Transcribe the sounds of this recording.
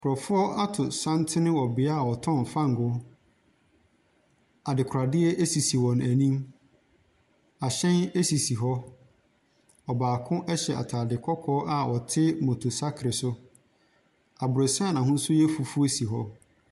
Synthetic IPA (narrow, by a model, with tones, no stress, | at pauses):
kʰʊ˨ɾɔ˨fʊ˦ɔ˦ʔa˦tʰʊ˨sã˦n˦tʰɪ˦nɪ̃˦wɔ˨bɪ˨˦a˦˨wɔ˨tʰɔ̃˦˨m˨fã˦ŋ̩˨ɡʊ˦ | a˨dɪ˨kʰɾa˨dɪ˦ɛ˦ʔe˦si˨si˨wɔ̃˨næ˨nĩ˦m | a˨ɕɛ̃˦ne˦si˨si˨ɦɔ˦ | ɔ˨baː˨kʰʊ̃˦ʔɛ˦ɕɛ˨a̰˨tʰaː˨dɪ˨kʰɔ˦kʰɔː˦ʔa˨ʔɔ˨tʰɪ˦mɔ̃˨tʰo˨sa˦kʰɾɪ˨sʊ˦ | a˨bʊ˨ɾo˨sɛ̃˦a˦˨nã˨ɦʊ̃˦n̩˦sʊ˦jɛ˦fu˨fu˦o˦si˨ɦɔ˦